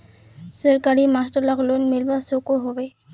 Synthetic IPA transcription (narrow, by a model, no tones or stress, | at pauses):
səɾkaɾimaːsʈəɾləɣlonmɪlʋasokoɦoʋeː